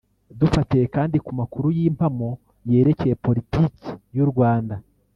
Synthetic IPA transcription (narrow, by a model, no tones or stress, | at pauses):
dufatejekaːndikumakuɾujiːmpamo̞ | je̞ːɾe̞ke̞je̞po̞ɾitiːki̥juɾɡwaːnda